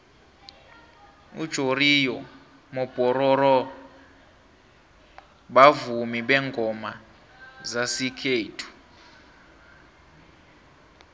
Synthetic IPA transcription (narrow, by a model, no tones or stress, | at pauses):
ṵd̥ʒ̥ʱorijɔ | mɔb̥ʱʼɔɾɔɾɔ | ɓavumiɓɛŋɡʱɔma | zasikʰeːtʰu̥